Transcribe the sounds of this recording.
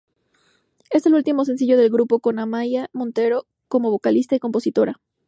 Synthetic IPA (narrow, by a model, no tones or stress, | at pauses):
e̞se̞lult̪imos̬e̞ns̬iʝo̞ð̞e̞lɡɾupo̞ko̞namajamõ̞nt̪e̞ɾo̞ | ko̞mo̞βo̞kalist̪aiko̞mpo̞sit̪o̞ɾa